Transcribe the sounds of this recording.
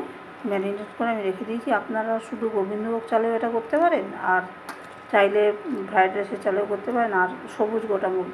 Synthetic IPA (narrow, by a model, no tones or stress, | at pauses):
mɛnineʈkoɾeamid̪ekʰed̪ijt͡ɕʰiapnaɾaʃud̪ʱuɡobʱind̪ʱobokt͡ɕaleeʈakoɾt̪epaɾenaɾ | t͡ɕajlepʰɾajɖɾeʃet͡ɕalekoɾt̪epaɾenaɾʃobud͡ʑɡoʈamul